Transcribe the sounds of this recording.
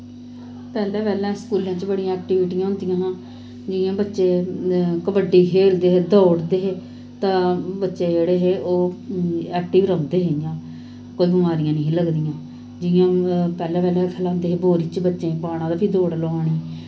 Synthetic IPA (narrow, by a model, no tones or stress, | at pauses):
pɛːlɛ̃ːpɛːlɛ̃ːskuːljãːt͡ʃbəɽijãːɛːk̚ʈɪʋɪʈijãːɦʊ̃ːnd̪ɪjãːɦãː | d͡ʒɪjãːbətːʃeːkəbəɖiːkʰeːld̪eːɦeːd̪ɔːɽd̪eːɦeː | t̪ãːbətːʃeːd͡ʒeːɽeːɦeːoː | ɛːk̚ʈiːʋɾəd̪eːɦɪjãː | koːiːbəmaːɾijãːnəĩːləɡd̪ijãː | d͡ʒɪjãːpɛːlɛ̃ːpɛːlɛ̃ːkʰəlaːɦʊnd̪eːɦeːboːɾiːt͡ʃbətːʃẽːbaːɽ̃ãːd̪aːpʰiːd̪oːɽloːaːɳe